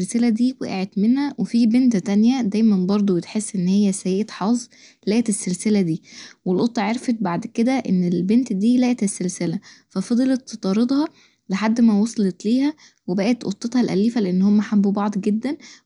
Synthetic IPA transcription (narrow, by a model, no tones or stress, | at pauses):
lselæd̪iːwḛʔḛʕet̪menhæwefibent̪t̪ænjæd̪æjmænbɑɾˤd̪ˤobet̪ħesːʔenːhejːæsæjæːʔet̪ħɑːzˤ | læːʔet̪esːelselæd̪iːwelʔot̪ˤːɑʕeɾfet̪̚baʕd̪ked̪æʔenːelbent̪d̪iːlæːʔet̪esːelselæfæfɑd̪ˤelet̪ːt̪ɑɾˤed̪ˤhɑ | leħad̪ːmæwɑsˤɑlet̪liːhæ | webæʔæt̪ʔo̰t̪ˤːet̪hɑlʔæ̰liːfæleʔenːhomːæħambubɑʕd̪ˤɡed̪ːæn